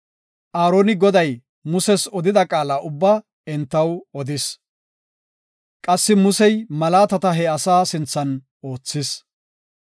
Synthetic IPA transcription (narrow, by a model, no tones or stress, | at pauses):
ʔaːɾo̞ːnɪɡɔd̪ɐj | mʊsɛsɔd̪ɪd̪ɐkʼaːlaːʔʊbːa | ɛnt̪ːɐwɔd̪ɪs | kʼɐsːɪmʊsɛjmɐlaːt̪ɐt̪ɐɦɛɐsaːsɪnt͡sːɐn | o̞ːt͡sːɪs